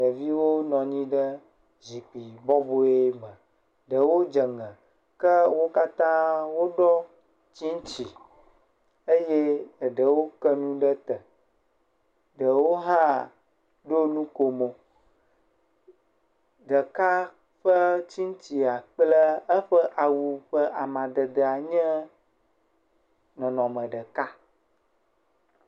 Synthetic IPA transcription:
nə˨vi˦wo˦nɔ̃˨ɲĩ˦ɖə˦ | zi˨k͡pi˨bɔ˦bo˦e˦mə̃˨ | ɖə˨wo˦d͡ʒə˨ŋə̃˨ | kə˦wo˦ka˦t̪ã˦wo˦ɖɔ˦ | t͡ɕi˦ŋ˦t͡ɕi˨ | ə˦je˦˨ɖə˨wo˦kə˦nũ˦ɖə˦t̪ə˨ | ɖə˨wo˦ɦa˦ | ɖo˦nũ˦ko˨mo˨ | ɖə˨ka˦ | ɸə˦t͡ɕi˦ŋ˦t͡ɕi˨a˨k͡plə˦ə˦ɸə˦ʔa˨wu˨ɸə˦ʔa˨mã˨ɖə˨d̪ə˨a˨ɲɛ̃˦ | nɔ̃˨nɔ̃˨mə̃˨ɖə˨ka˦

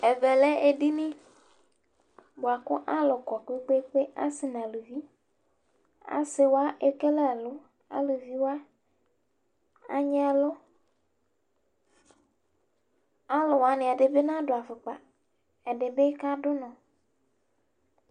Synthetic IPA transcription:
e˨vɛ˨le˦e˨ɖi˦nĩ˦ | bo˨a˨ko˦ʔa˦lɔ˨kɔ˨k͡pe˦k͡pe˦k͡pe˦a̰˦si˨nã˨lu˨vi˦ | a̰˦se˨wo˦a˦ʔe˦ke˦lɛ˦˨lo˦ | a̰˦lu˨vi˦wa˦ | a˦ɲɛ˦a˨lo˦ | a˦lɔ˨wa˦nẽ˨a˨ɖe˨be˦nã˦ɖo˨a˨fe˨k͡pa˨ | e˨ɖe˨be˦ka˦ɖo˦nɔ̃˨

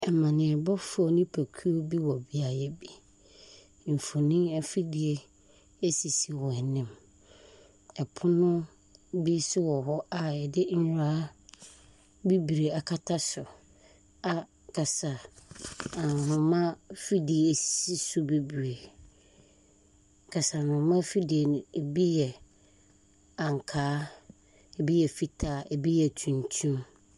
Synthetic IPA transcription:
ɛ˨mã˨nɪ̃˨ɛ˨bɔ˦fʊ˦ɔ˨nɪ̃˦pʰæ˨kʰu˦o˦bi˦wɔ˨bi˦a˨jɛ˦bi˨ | m̩˨fʊ˨nɪ̃˦ɛ˦fi˦di˨e˦ | e˦si˨si˨wɔ˨ɛ˨nɪ̃˦m | ɛ˨pʰʊ˦nʊ̃˦ | bi˦sʊ˦wɔ˨ɦɔ˦a˨ɛ˨dɪ˦n̩˦˨ɾa˦ | bi˦bi˨ɾe˨a˨kʰa˦tʰa˦sʊ˨ | a˦ | kʰa˨sa˨ | a˨nʊ̃˨mã˦fi˦di˨e˨e˨ssi˦sʊ˦bi˦bi˨ɾe˨ | kʰa˨sa˨nʊ̃˨mã˦fi˦di˨e˨nʊ̃˨e˨bi˦jɛ˨ | ã˨ŋ˨kʰaː˦ | ɛ˨bi˦jɛ˨fi˦tʰaː˨e˨bi˦jɛ˨tʰũ˨ntʰũ˦m

